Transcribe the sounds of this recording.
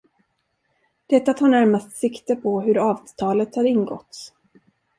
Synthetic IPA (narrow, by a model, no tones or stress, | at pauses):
d̪̥ɛt̪ːat̪ʰaːɳæɾmast̪sɪkt̪əpʰɔɦɵɾɑːvt̪ʰɑːlət̪haɾɪnɡɔ̰t̪s